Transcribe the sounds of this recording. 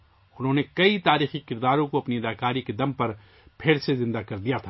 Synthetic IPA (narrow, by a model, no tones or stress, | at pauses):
ʊnɦõnekɐit̪aːɾiːxikɪɾd̪aːɾõkoɐpniɐlaːkaːɾiked̪ɐmpɐɾ | pʰeːɽsezɪ̃nd̪akɐɾd̪ijat̪ʰa